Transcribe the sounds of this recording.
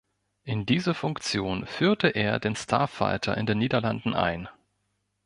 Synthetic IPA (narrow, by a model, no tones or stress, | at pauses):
ʔɪndiːzəfʊŋkt͡sjoːnfyːɐtəʔeːɐdeːnstʰa̰ːfa̰ɪtʰɐ̰ʔɪ̰ndeːnːiːdɐlandn̩ʔa̰ɪn